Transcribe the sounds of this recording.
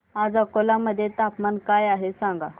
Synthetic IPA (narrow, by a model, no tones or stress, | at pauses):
ad͡zakolaməd̪ʱːjet̪apmankajaɦesãŋɡa